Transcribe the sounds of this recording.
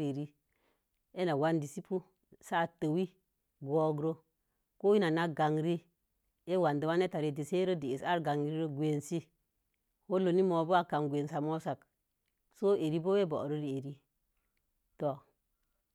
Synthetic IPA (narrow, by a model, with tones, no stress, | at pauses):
i˨ɾi˦ | e˦na˨wa˦ndi˨si˦pu˦ | sa˦˨tə˨wi˦ | ɡo˦ɡɾo˦ | ko˦i˦na˨na˦ɡa˨ŋɾi˦ | e˦wa˨nde˨wa˦ne˦ta˨ɾe˨di˨se˦ɾo˦di˨e˨sa˦ɾɡa˨ŋ˦ɾi˦ɾo˦ɡʷe˨nsi˦ | ho˦lo˨ni˦mo˨bo˦a˨ka˨nɡʷe˨nsa˨mo˦sa˨k | so˦ʔe˨ɾi˦bo˦we˦bo̰˨ɾo˦ɾi˨e˨ɾi˦ | to˨